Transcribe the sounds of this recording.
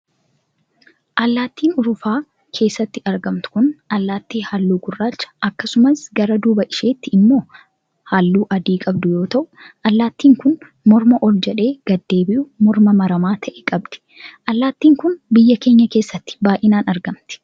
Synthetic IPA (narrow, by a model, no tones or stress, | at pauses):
ʔɐlːaːt̪ːiːnʊɾʊfaː | kʰe̞ːsːɐt̪ːɪɐɾɡɐmt̪ʊ̥kʊnʔɐlːaːt̪ːiːhaːlːuːɡʊrːaːt͡ʃːɐ̥ʔɐkːɐsʊmɐsɡɐɾɐd̪uːbɐʔɪʃe̞ːt̪ːɪɪmːo̞ː | haːlːuːʔɐd̪iːkʼɐbd̪ʊjo̞ːt̪ɐʔʊ̥ʔɐlːaːt̪ːiːŋkʊn | mɔɾmɐʔɔld͡ʒɛᶑe̞ːɡ̥ɐd̪ːe̞ːbɪʔʊmɔɾmɐmɐɾɐmaːt̪ʰɐʔɛkʼɐb̚d̪̥ɪ̥ | ʔɐlːaːt̪ːiːŋkʊnbɪjːɐke̞ːɲːɐke̞ːsːɐt̪ːɪ̥baːjʔɪnaːnɐɾɡɐmt̪ɪ̥